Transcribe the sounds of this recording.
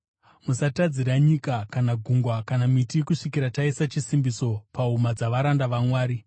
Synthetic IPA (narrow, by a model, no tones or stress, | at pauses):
musatad͡ziɾaɲikakanaɡʱuŋɡwakanamitikuʂikiɾataisat͡ʃisimbiso̞paɦumad͡zaʋaɾandaʋamwaːɾi